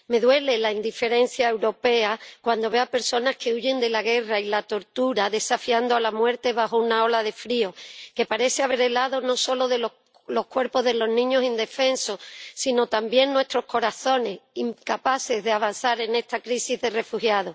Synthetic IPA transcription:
me̞ðwe̞le̞laind̪ife̞ɾe̞n̟θjae̞wɾo̞pe̞akwand̪o̞βe̞oape̞ɾso̞nahkʰe̞uʝe̞nd̪e̞laɣe̞railat̪o̞ɾt̪uɾaðe̞safiand̪oalamwe̞ɾt̪e̞βaho̞unao̞lað̞e̞fɾio̞ke̞paɾe̞θeaβe̞ɾe̞laðo̞no̞so̞lo̞ðe̞lo | lo̞hkwe̞ɾpo̞ɦðelo̞ɦnĩɲo̞sind̪e̞fe̞nsosino̞t̪ambje̞nːwe̞st̪ɾo̞hko̞ɾaθo̞ne̞siŋkapaθe̞zðeaβ̞an̟θaɾe̞ne̞st̪akɾisizðe̞re̞fuhjað̞o

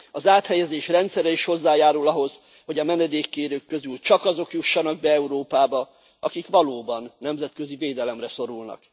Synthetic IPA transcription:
ɒzaːt̪hɛjɛzeːʃrɛnt̪sɛɾɛiʃho̞zːaːjaːɾulɒɦo̞z̥ | ho̞ɟɒmɛnɛd̪eːkːeːɾøːkːøzylt͡ʃɒkɒzo̞kjuʃːɒnɒɡ̚bɛɛuɾoːpaːbɒ | ɒkikʋɒloːbɒnːɛmzɛt̪kø̞ziveːd̪ɛlɛmrɛso̞ɾulnɒ̰k

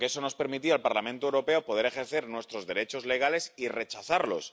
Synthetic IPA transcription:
keeso̞no̞spe̞ɾmit̪ialpaɾlamẽnt̪oewɾo̞pe̞opoð̞e̞ɾe̞xe̞ɾθe̞ɾnwe̞st̪ɾo̞zðe̞ɾe̞t͡ʃo̞zle̞ɣ̞ale̞sire̞t͡ʃaθaɾlo̞̰s

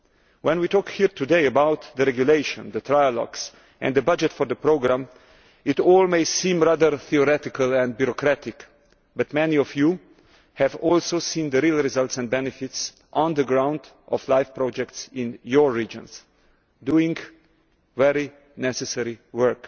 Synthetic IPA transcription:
wɛ̃nwitɔːkhiɾt̪udeɪəbawt̪d̪əɾɛɡjuleɪʃɔ̰̃nd̪ət̪ʰɾajəlɔ̰ɡs | ʔɛ̰̃nd̪əbad͡ʒɛtfɔɾd̪əpɾoɡɾãm | ɪtɔːlmeɪsĩːmɾaðəɾθiɔɾɛt̪ɪkəlɛ̃nd̪̚bjuɾɔkɾæt̪ɪk | bat̪mɛniɔfju | hɛvɔlsoʊsĩːnd̪əɾilˠɾizalt̪sɛ̃nd̚bɛnɛfɪts | ʔɔ̃nd̪əɡɾãw̃nd̪ | ʔɔ̰flaɪfpɾɔd͡ʒɛktsɪ̃njɔɹːid͡ʒɔ̰̃ns | duɪ̃ŋɡ | vɛɾi | nɛsɛsɛɾiwɜ˞k

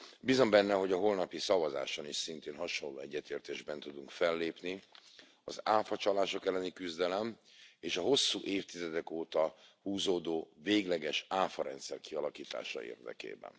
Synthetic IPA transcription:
bizo̞mbɛnːɛɦo̞ɟɒɦo̞lnɒpisɒvɒza̰ːʃoniʃsint̪eːnɦɒʃonlːo̰ːɛɟːɛt̪eːrt̪eːʒbɛnt̪ud̪uŋkfɛlːeːpni | ɒzaːfɒt͡ʃɒlaːʃo̞kɛlːɛnikyzd̪ɛlɛm | eːʃɒɦo̞sːuːʔeːft̪izɛd̪ɛkoːt̪ɒhuːzoːd̪oːveːɡlɛɡɛʃaːfɒɾɛ̰nt̪sɛrkiɒlɒkiːt̪a̰ːʃɒ̰ḛːrd̪ɛ̰kḛːbɛ̰n

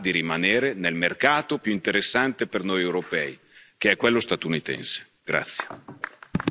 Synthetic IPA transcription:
d̪iɾimaneːɾenelmerkaːt̪opjuint̪eɾesːant̪epernojewɾopɛːi | k̟eɛkːwelːost̪at̪unit̪ɛ̰nse̥ | ɡ̥ɾa̰t̪sːje

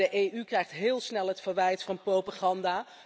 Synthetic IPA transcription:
əʔejʔykrɛjχtɦɪːlˠsnɛlˠɦətfəɹʋɛjtfɑnprowpaːχɑndaː

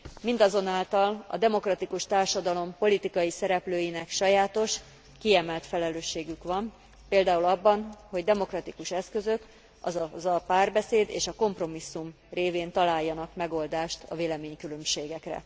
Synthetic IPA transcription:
mind̪ɒzo̞naːlt̪ɒlɒ̰d̪ɛmo̞krɒt̪ikuʃt̪aːrʃɒd̪ɒlo̞mpo̞lit̪ikɒjisɛɾɛpløːjinɛkʃɒjaːt̪o̞ʃ | kiɛmɛlt̪fɛlɛløːʃːeːɡykʋɒm | peːld̪aːulɒbːɒnho̞ɟd̪ɛmo̞krɒt̪ikuʃɛskø̞zø̞k | ɒzzɒpaːrbɛseːd̪ḛːʃɒko̞mpro̞misːum | reːveːnt̪ɒlaːjːɒnɒkmɛɡo̞ld̪aːʃt̪ʰɒ̰veːlɛmeːɲkylø̞mʃeːɡɛkrɛ̰

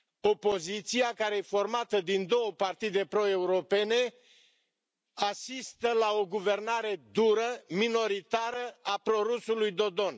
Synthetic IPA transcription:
o̞po̞zit̪siakaɾeefo̞rmat̪əd̪ind̪o̞wəpart̪id̪e̞pɾo̞e̞uɾo̞pe̞ne̞ | asist̪əlao̞ɡuve̞rnaɾe̞d̪uɾəmino̞ɾit̪aɾəapɾo̞ɾusulujd̪o̞d̪o̞n

